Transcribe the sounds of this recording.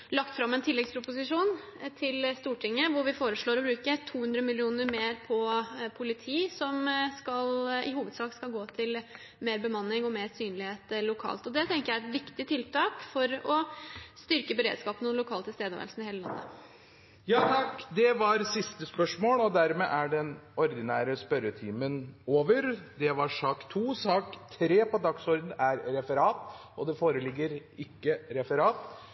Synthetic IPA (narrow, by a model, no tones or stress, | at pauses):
lɑkt̪fɾɑmːɛnt̪ʰɪlːɛɡspʰɾʊpʊs̬ɪʂuːn | t̪ʰɪlst̪uːʈʰɪŋːəʋʊɾʋɪfoːɾəʂɭoːɾɔbɾʉːkət̪ʰuːhʉnd̪ɾəmɪlɪuːnəɾmeːɾpʰɔpʰʊlɪt̪ʰiːsɔmskɑlɪhuːʋəd̪sɑːkskɑlɡoːt̪ʰɪl | meːɾbəmɑnːɪŋɔmeːɾsyːnlɪheːt̪ɛlʊkʰɑ̰ːlt̪ɔd̪ɛt̪ʰɛŋkəjæɾɛt̪ʋɪkt̪ɪt̪ʰɪlt̪ʰɑːkfɔɾɔst̪ʏɾkəbəɾḛːd̪skɑːpənɔlʊkʰɑːlt̪ʰɪlst̪eːd̪əʋæ̰ɾlsn̩ɪheːləlɑ̰nːə̰ | jɑːt̪ʰɑkːd̪ɛʋɑɾsɪst̪əspœʂmoːlɔd̪æɾmeʔæɖɛnɔɾd̪ɪnæːɾəspœɾət̪ʰiːmənoːʋəɾd̪ɛʋɑʂɑːkt̪ʰuːsɑːkt̪ʰɾeːpɔd̪ɑksɔɾd̪n̩æɾɾɛfəɾɑːt̪ɔd̪ɛfoːɾəlɪɡːəɾɪkːəɾɛfəɾɑːt̪